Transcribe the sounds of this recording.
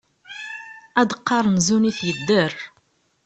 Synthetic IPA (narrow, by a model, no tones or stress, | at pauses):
æd̪əqːɑɾˤnzuniθjəd̪ːərˤ